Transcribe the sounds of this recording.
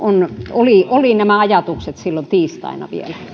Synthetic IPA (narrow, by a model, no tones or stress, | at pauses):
onoliolinæmæɑjɑt̪ukset̪silːont̪iːst̪ɑ̰inɑ̰ʋḭelæ